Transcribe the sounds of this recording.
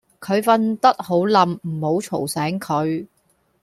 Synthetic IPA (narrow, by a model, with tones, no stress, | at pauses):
kʰɵ˨˧ɥfɐ˧nt̪ɐ˥t̚ho˨˥wlɐ˨mm̩˨˩ho˨˥wt͡ʃʰo˨˩wsɛː˨˥ŋkʰɵ˨˧ɥ